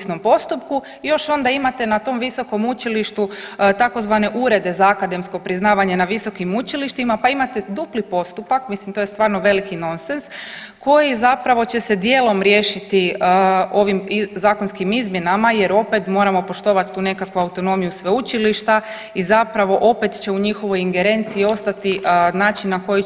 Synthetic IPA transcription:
sno̞mpo̞st̪upku | jo̞ʃo̞nd̪aimat̪e̞nat̪o̞mʋiso̞ko̞mut͡ʃiliʃt̪ut̪ako̞zʋane̞ʔuɾe̞d̪e̞zaakad̪e̞msko̞pɾiznaːʋaɲe̞naʋiso̞kimut͡ʃiliʃt̪imapaimat̪ed̪uplipo̞st̪upakmislimt̪ojst̪ʋaːɾno̞ʋe̞likino̞nsensko̞jizapɾaʋo̞t͡ɕe̞sed̪je̞ːlˠo̞mɾje̞ːʃit̪i | o̞ʋimzaːkonskimizmje̞namaje̞ɾo̞pet̪mo̞ːɾamo̞po̞ʃt̪o̞ʋat̪t̪uːne̞kakʋuawt̪o̞no̞mijusʋeut͡ʃiliʃt̪a | izapɾaʋo̞ʔo̞pet̪t͡ɕe̞uɲixo̞ʋo̞jiŋɡe̞ɾe̞nt̪siːo̞st̪at̪inaːt͡ʃinːako̞ji

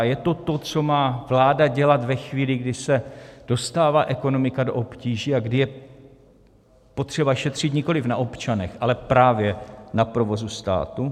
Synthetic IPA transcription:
jɛt̪o̞t̪o̞t͡so̞maːvlaːdaɟɛlat̪vɛxviːlɪɡdɪsɛd̥o̞st̪aːvaːʔɛko̞no̞mɪkadoʔopciːʒiːaɡdɪjɛ | pot̪r̥ɛbaʃɛt̪r̝̥ɪt̪ɲɪko̞lɪfnaʔo̞pt͡ʃanɛxʔalɛpɾaːvjɛnapɾo̞vo̞zust̪a̰ːt̪u

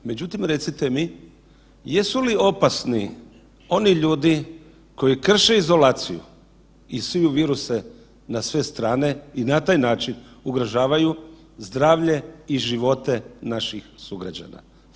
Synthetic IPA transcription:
me̞d͡ʑut̪imɾe̞t̪sit̪e̞mi | jesulio̞pasni | o̞niʎuːd̪i | ko̞jikr̩ʃe̞izo̞laːt̪sijṵ | isijuʋiːɾuse | nasʋe̞st̪ɾaːne̞inat̪aːjnaːt͡ʃinuɡɾoʒaːʋaju | zd̪ɾaːʋʎe̞iʒiʋo̞t̪e̞naʃixsuɡɾad͡ʑa̰na̰

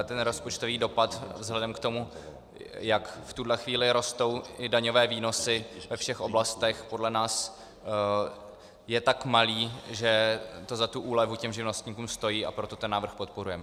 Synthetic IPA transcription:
t̪ɛnɾospot͡ʃt̪oviːdo̞pat̪vzɦlɛdɛmkt̪o̞mu | jakft̪udlɛxviːlɪɾo̞st̪o̞wɪdaɲo̞vɛːviːno̞sɪvɛfʃɛxʔo̞blast̪ɛxpo̞dlɛnaːs | jɛt̪akmaliːʒɛt̪o̞zat̪uʔuːlɛvucɛmʒɪvno̞st̪ɲiːkuːmst̪o̞jiːʔa̰pɾo̞t̪o̞t̪ɛnːaːvr̩xpo̞t̪̚po̞ɾujɛmɛ

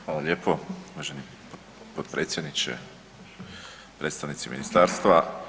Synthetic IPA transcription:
xʋaːlˠalʲjeːpouʋaʒeni | p | pod̪pɾet̪sjed̪nit͡ʃḛ | pɾeːt̪st̪aʋnit̪simḭnist̪aɾst̪ʋa

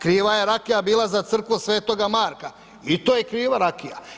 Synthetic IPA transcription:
kɾiːʋajeɾakijabiːlˠazat̪sr̩kʋusʋe̞ːt̪o̞ɡamaːɾka | it̪oje̞kɾiːʋaɾakija̰

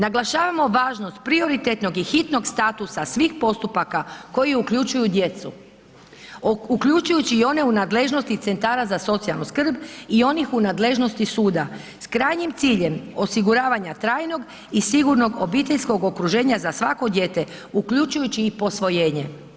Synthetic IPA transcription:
naɡlˠaʃaːʋamo̞ʋaːʒno̞st̪̚pɾio̞ɾit̪et̪no̞ɡixit̪no̞ɡst̪aːt̪usasʋiːxpo̞st̪upakako̞jiukʎut͡ʃujud̪je̞t̪su | ukʎut͡ʃujut͡ɕiːo̞ne̞unaːd̪le̞ʒno̞st̪it̪se̞nt̪aːɾazaso̞t̪sialˠnuskr̩bio̞nixunaːd̪le̞ʒno̞st̪isuːd̪a | skɾaːjɲimt̪siːʎe̞mo̞siɡuɾaːʋaɲat̪ɾaːjno̞ɡ | isiɡuɾno̞ɡo̞bit̪e̞ʎsko̞ɡo̞kɾuʒe̞ːɲazasʋako̞d̪je̞t̪e̞ukʎut͡ʃujut͡ɕiːpo̞sʋo̞je̞ːɲe̞

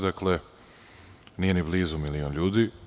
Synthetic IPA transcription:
d̪akle | nije̞nibliːzumilionʎuːd̪i

